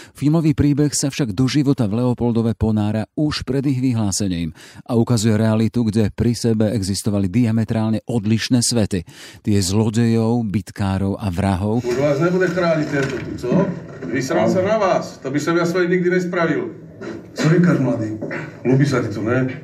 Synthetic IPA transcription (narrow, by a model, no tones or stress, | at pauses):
filmɔʋiːpɾiːbɛxsafʃaɡd̪ɔʒiʋɔt̪avlɛɔpɔld̪ɔʋɛpɔnaːɾauʃpɾɛd̪iɣʋiɦlaːsɛɲiːmʔaukazujɛɾɛalit̪uɡɟɛpɾisɛbɛɛɡzist̪ɔʋalid̪iamɛt̪ɾaːlɲɛʔɔd̪liʃnɛːsʋɛt̪it̪ɪɛzlɔɟɛjɔʊbit̪kaːɾɔʊʔaʋɾaɦɔʊuʒʋaːzɲɛbudɛkɾaːɲit̪ɛnt̪ɔt̪ut͡sɔʋisɾalsɔnaʋaːst̪ɔbisɔmjasʋɛjɲiɡ̚d̪iɲɛspɾaʋil | t͡sɔikaʒmlad̪iːlubisat̪it̪unɛ